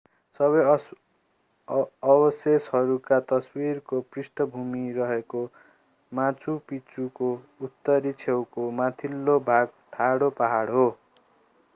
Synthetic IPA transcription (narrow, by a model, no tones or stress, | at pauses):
sʌβʌj | ʌbʌseshʌɾukat̪ʌswirkoprisʈʌbʱumiɾʌɦeko | mãt͡supit͡suko | ut̪ːʌɾit͡sʰewkomat̪ʰilːobʱaɡ̚ | ʈʰaɽopaɦaɽɦo